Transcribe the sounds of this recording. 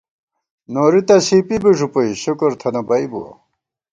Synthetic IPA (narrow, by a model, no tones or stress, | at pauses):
noːɾit̪aɕiːpibeʐupoiɕukoɾt̪ʰɐnɐbɐibṵɐ̰